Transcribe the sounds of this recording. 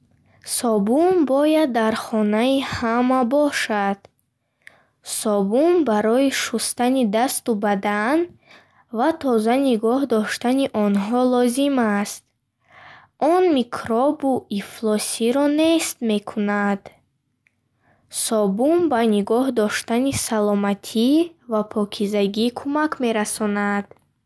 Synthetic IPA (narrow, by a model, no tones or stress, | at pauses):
sɔbumbɔjad̪ːaɾχɔnaihamabɔʃad̪̥ | sɔbumbaɾɔiʃust̪anid̪ast̪ubad̪an | vat̪ʰɔzaniɡɔhd̪ɔʃt̪aniʔɔnɦɔlɔzimast̪̚ | ʔɔnmikʰɾɔbuiflɔsiɾɔne̞st̪me̞kʰunad̪̥ | sɔbumbaniɡɔhd̪ɔʃt̪anisalɔmat̪ʰivapʰɔkʰizaɡikʰumakme̞ɾasɔnad̪̥